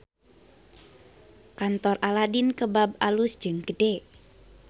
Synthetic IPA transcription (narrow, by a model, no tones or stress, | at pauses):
kant̪ɔraladinkəbab̚alusd͡ʒəŋɡ̥əde